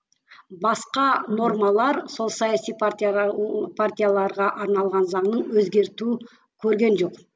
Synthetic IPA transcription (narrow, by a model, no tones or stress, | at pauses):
bɑsqɑno̞rmɑlˠɑɾso̞lˠsɑjasijpʰa | pʰart̪ʲijalˠɑɾʁɑʔɑɾnɑlˠʁɑnzɑɴnəɴwɵzɡʲe̞ɾt̪u | kʲʰɵɾɡʲe̞nʒo̞q